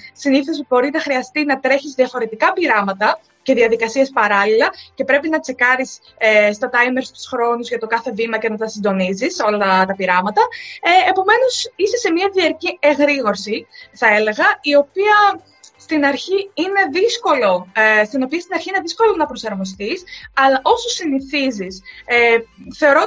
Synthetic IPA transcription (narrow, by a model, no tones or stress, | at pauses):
siniθosbo̞ɾinɐxɾiɐst̪inɐt̪ɾe̞çizðiɐfo̞ɾet̪ikɐpiɾɐmɐt̪ɐ | ce̞ðiɐðikɐsiespɐɾɐlilɐce̞pɾe̞pinɐt͡se̞kɐɾis | st̪ɐt̪ɐjmeɾst̪u̥sxɾo̞nuzʝɐt̪o̞kɐθe̞vimɐce̞nɐt̪ɐsind̪o̞niziso̞lɐt̪ɐpiɾɐmɐt̪ɐepo̞me̞no̞sisese̞miɐðiɐɾcieɣɾiɣo̞ɾsiθɐe̞le̞ɣɐio̞piɐ | st̪inɐɾçiine̞ðisko̞lo̞st̪ino̞piɐst̪inɐɾçineðisko̞lonɐpɾo̞sɐɾmo̞st̪isɐlɐʔo̞sosiniθizis | θe̞o̞ɾo̞